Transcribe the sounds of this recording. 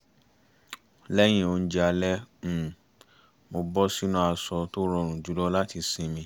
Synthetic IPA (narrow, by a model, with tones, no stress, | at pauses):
lɛ˦j̃ĩ˦o˧n̩˦d͡ʒa˧lɛ˦m̩˦˨ | mo˧bɔ˦si˦nũ˦a˧sɔ˧to˦ɾɔ˧˨ɾ̃ũ˨d͡ʒu˨˦lɔ˦la˦ti˧sĩ˨˧mĩ˧˦